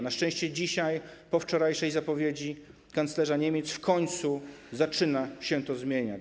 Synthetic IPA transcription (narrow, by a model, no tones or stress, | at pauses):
naʂt͡ʂɛ̃ɕt͡ɕɛd͡ʑiɕajpɔft͡ʂɔɾajʂɛjzapɔvʲjed͡ʑi | kant̪slɛʐaɲemʲjet̪sfkʰɔɲt̪suzat͡ʂɘnaɕɛt̪ɔzmʲjeɲa